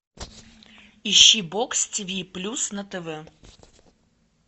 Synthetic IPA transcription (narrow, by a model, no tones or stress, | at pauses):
iɕːibɔkstʲivʲiplʲusnɐt̪ɛvɛ